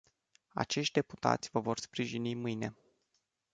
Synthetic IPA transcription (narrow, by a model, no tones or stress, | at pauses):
a̰t͡ʃe̞ʃt̪ʲd̪e̞pu̥t̪a̰t̪sʲvəvo̞rspɾiʒinimɨjne̞